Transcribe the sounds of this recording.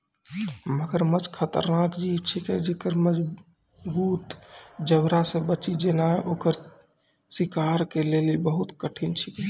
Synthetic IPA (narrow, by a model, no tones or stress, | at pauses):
məɡəɾmət͡ʃkʰət̪ə̰ɾnakd͡ʒit͡ʃʰikɛd͡ʒekəɾməd͡ʒ | buːt̪d͡ʒəbɾasẽbət͡ʃid͡ʒenaeʔokəɾ | sikaɾkelelibəɦut̪kəʈʰint͡ʃʰi̥k